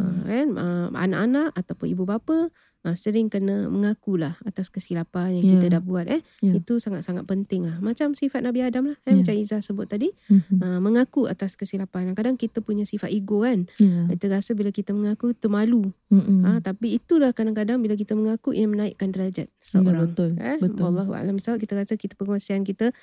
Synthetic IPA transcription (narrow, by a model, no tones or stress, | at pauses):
ə̰kanə̰a̰na̰ʔanaʔat̪awpʊnibubapə | ʔəsəɾɪŋkənəməŋakulahat̪askəsilapanjaŋkit̪ədahbuat̪̚ʔɛ | it̪usaŋat̪̚saŋat̪̚pənt̪ɪŋlahmat͡ʃamsifat̪̚nabiadamlahkamat͡ʃamizahsəbʊt̪̚ːadiəməŋakua̰t̪askəsilapanaŋkadaŋkit̪əpuɲə̃sifat̪iɡoankit̪əɾasəbilakit̪əməŋakut̪əmaluət̪apiːt̪ulahkadaŋkadaŋbilak̬it̪əməŋakuʔḭamənaɪʔkandlad͡ʒa̰t̪̚səʔo̰ɾaŋlɛəwalˠːaɦua̰lambisaut̪̚kit̪əɾasəkit̪ə̥pəkosiankit̪ə